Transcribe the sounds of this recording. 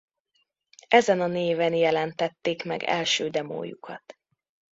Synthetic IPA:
ʔɛzɛnɒneːvɛnjɛlɛnt̪ɛt̪ːeːkmɛ̰ɡɛ̰lʃøːd̪ɛmo̰ːjṵkʰɒt̪

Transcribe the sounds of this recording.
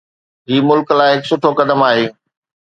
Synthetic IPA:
ɦiːmʊlklaːɪɦɪksʊʈʰokɐd̪əmaːɦeː

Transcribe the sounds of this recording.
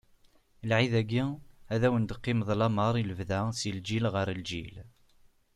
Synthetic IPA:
lʕiðæɡiæðæwənd̪qːɪmðˤlɑməɾˤiləvðæsild͡ʒilʁəɾəld͡ʒḭl

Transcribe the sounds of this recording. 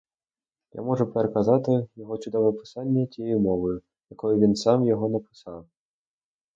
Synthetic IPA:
ja̰mɔʐupɛɾɐkazat̪ɪjɐɣɔt͡ʃud̪ɔwvɐpɨ̥sanʲːɐtʲjɛjmɔvɐju | jakɔjuvʲinsamjɔɣɔnɐpɨ̥saw

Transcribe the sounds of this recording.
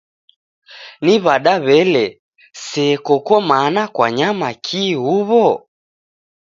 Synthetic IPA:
niβaɗaβɛlɛ | sɛkɔkɔmanakwaɲamakʰihuβɔ

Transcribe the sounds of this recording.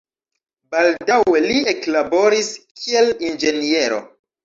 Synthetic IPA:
baldawwe̞lieklabo̞ɾiskʰie̞lind͡ʒe̞nie̞ɾo̞̰

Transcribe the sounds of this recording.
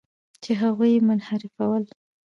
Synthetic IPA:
t͡ʃeɦaɣujmʊnhaɾɪfawəl

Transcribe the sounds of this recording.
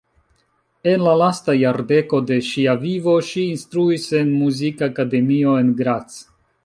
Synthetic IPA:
e̞nlalastajaɾde̞ko̞de̞ʃiavivo̞ʃiːnstɾuise̞nmuzikaːkade̞mio̞e̞nɡɾat͡s

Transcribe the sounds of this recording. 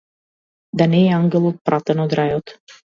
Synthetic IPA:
d̪anɛjeaŋɡʲelˠot̪̚pɾʔat̪ənod̪ɾajot̪

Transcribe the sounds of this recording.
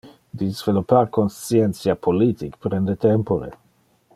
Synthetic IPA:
d̪izvelopaɾkonsjɛnsjapʰolit̪ikpɾɛnd̪et̪ɛmpoɾḛ

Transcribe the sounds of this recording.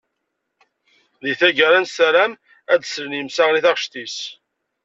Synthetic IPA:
liθæʝəɾænsæɾæm | æd̪slənjəmsæʁliθæʁəʃt̪is

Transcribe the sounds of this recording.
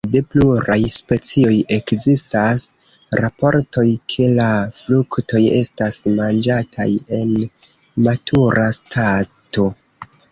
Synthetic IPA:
de̞pluɾajspe̞t͡sio̞je̞kzistas | ɾapo̞ɾto̞jkʰe̞laflukto̞je̞stasmand͡ʒatʰa̰je̞n | matʰuɾastʰato̞

